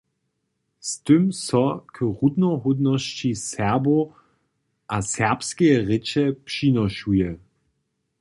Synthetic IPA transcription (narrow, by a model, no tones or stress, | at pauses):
stɵmsɔkʰəʁud̪nɔɦudnɔst͡ɕisɛɐbo | ʔasɛɐpskɛjɛʁɪt͡ʃɛpʂinɔʃujɛ